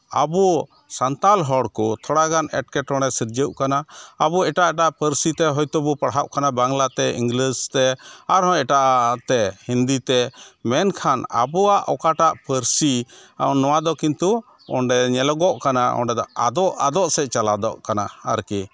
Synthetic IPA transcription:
a̰bu | sant̪alɦɔɽkɔt̪ʰɔɽaɡanɛʈkɛʈɔɽ̃ɛsiɾd͡ʒəʔkanaabuɛʈaʔɛʈaʔpəɾsit̪ɛɦɔjt̪ɔbupəɽɦaʔkanabaŋlat̪ɛḭŋɡlist̪ɛaɾɦɔ̃ɛʈaʔaʔt̪ɛhind̪it̪ɛmɛnkʰana̰buaʔɔkaʈaʔpəɾsinɔwad̪ɔkint̪u | ɔ̰ɳɖɛɲɛlɔɡɔʔkanaɔ̰ɳɖɛd̪ɔd̪ɔʔad̪ɔʔsɛt͡ʃalad̪ɔʔkana̰a̰ɾki

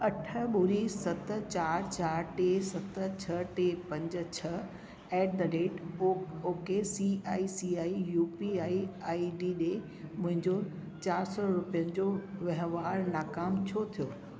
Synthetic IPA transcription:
ɐʈʰə̆ɓʊɾisɐt̪ət͡ɕaːɾt͡ɕaːɾʈesɐt̪ət͡ɕʰɐʈepɐ̃ɲd͡ʑ̆t͡ɕʰɐ | ɛːʈ̚d̪ɐɖeːʈːoːkesiaːisiaːijuːpiaːiaːiɖiːɗe | mʊ̃ɦɪ̃ɲd͡ʑo | t͡ɕaːɾsɔɾʊpijənɪ̆d͡ʑoʋɐɦʋaːɾnaːkaːmt͡ɕʰot̪ʰijoː

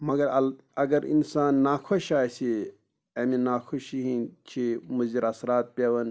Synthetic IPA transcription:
mɐɡɐɾɐl | ɐɡɐɾḭnsaːnːaːkʰoʃaːsi | ɐminaːkʰuʃiɦint͡ʃʰimuziɾɐsɾaːt̪̚pʲeʋɐn

